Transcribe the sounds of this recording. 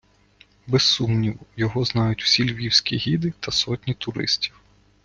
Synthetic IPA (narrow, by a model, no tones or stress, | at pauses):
bɛsːumnʲiwɔjɔɦɔznɑjʊtʲw̥sʲilʲʋʲiwsʲkʲiɦʲid̪ɪt̪ʰɐsɔtʲnʲit̪ʊɾɪ̰sʲtʲi̥w